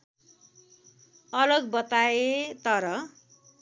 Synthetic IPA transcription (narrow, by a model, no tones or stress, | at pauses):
ʌlʌɡbʌt̪aet̪ʌɾʌ